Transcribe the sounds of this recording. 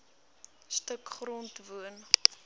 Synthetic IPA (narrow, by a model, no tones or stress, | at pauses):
stəkχrɔntvuən